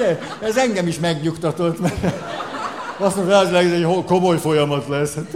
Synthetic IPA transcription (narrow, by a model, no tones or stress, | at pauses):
ɛ | ɛzɛŋɡɛmiʃmɛɡɲukt̪ɒt̪ot̪mɛ | ɒsoʃaːzlɛɡɛzɛhokomojfo̞jɒmɒt̪lɛs